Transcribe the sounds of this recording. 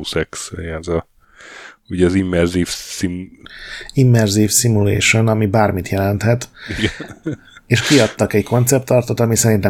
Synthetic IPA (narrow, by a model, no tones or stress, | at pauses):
sɛksɛzɒ | uɟɛɒzimːɛrzifsi | imːɛrziːfsimulḛːʃo̞nɒmibaːrmit̪jɛlɛnt̪hɛt̪ɡ | eːʃkiɒt̪ːɒkɛɟkʰo̞nt̪sɛp̚t̪ːɒrt̪ot̪ɒmisɛɾint̪ɛ